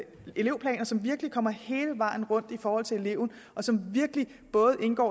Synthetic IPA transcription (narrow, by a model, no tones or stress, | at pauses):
e̝le̝ʊpʰlɛ̰ːnɐsɒ̽mʋiɐɡ̥əlikʰɒ̽m̰ɐhe̝ːləʋɑ̈ːn̩ʁɔ̽n̰d̥ifɒːhɒ̽l̰t͡sʰe̝e̝le̝ʊn̩ | ʔɒ̽sɒ̽mʋiɐɡ̥əli | b̥ɔ̽ːð̩ˠʔe̝nɡ̥ɒ̰ː